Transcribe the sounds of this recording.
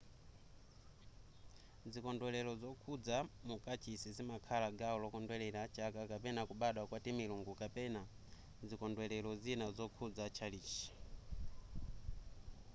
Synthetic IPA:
zikɔndwɛlɛɾɔzɔkʰud͡zamukat͡ʃʰisizimakʰalaɡaɔlɔkɔndwɛlɛɾat͡ʃakakapɛnakuɓaɗwakwatimiluŋɡukapɛna | zikɔndwɛlɛlɔzinazɔkʰud͡zat͡ʃʰaliːt͡ʃi̥

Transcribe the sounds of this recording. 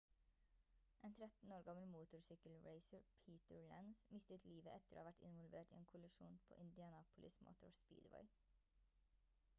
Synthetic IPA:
ʔeːnt̪ʰɾɛt̪n̩oːɾɡɑməlmuːt̪ʊɹsʏkəlɹeɪsəɹpʰiːt̪əɹlænsmɪst̪ət̪ʰliːʋəʔɛt̪əɾo̰ːɑːʋæʈɪ̰nʋɔlʋeːʈḭːeːnkʰʊlʉʃṵːnpʰo̰ːʔɪnd̪ɪɑnɑːpʊlʔɪsmʔo̰ːt̪ʊ̰ɹspḭːd̪ʋɔ̰ɪ

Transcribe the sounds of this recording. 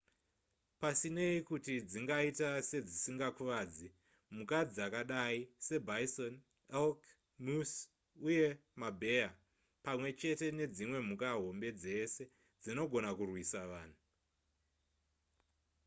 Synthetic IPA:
pasine̞ikutid͡ziŋɡaitase̞d͡zisiŋɡakuʋaːd͡zi | mukad͡zakaɗaise̞bʱaison | elk | mus | uje̞mabʱe̞ja | pamwe̞t͡ʃe̞te̞ne̞d͡zimwe̞m̤ukaɦo̞mbe̞d͡ze̞se̞ | d͡zino̞ɡʱo̞nakurwisaʋaːn̤u

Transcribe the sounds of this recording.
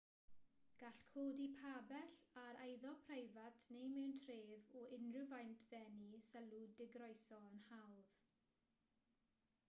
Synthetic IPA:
ɡ̥aɬkʰoːdipʰabɛɬaɾejðɔpʰrejvatʰnejmɛwntʰreːvɔɪnrəvajntʰðɛnisɛludɪɡɾɔjsɔənhawð̥

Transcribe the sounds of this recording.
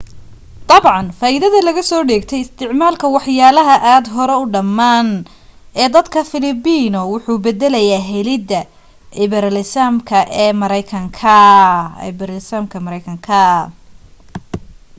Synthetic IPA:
d̪ɑbʕɑnfaːʔɪðɐðɐlɐɣɐsɔːɖɛːɡt̪ʰɛjɪst̪ʰɪʕmaːlkʰɐwɑħjaːlɐɦɐʔaːd̪ɦɔɾɛʊɖɐmːaːn | ɛːd̪ɐd̪kʰɐfɪlɪbiːnɔwʊħuːbɛd̪ɛlɐjaːɦɛlɪd̪ɐ | ɪβɛɾalɪsaːmkʰɐʔɛːmɐɾɐjkʰɐŋkʰɐ̰ | bɾalɪsaːmkʰɐmɐɾɐjkʰɐŋkʰɐ

